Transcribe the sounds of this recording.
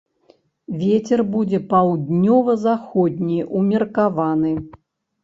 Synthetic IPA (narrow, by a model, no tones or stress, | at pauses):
vʲet͡sʲɛrbud͡zʲɛpawd̪ʲnʲɔvɐzaxɔd̪ʲnʲijʔumʲɛrkavanɨ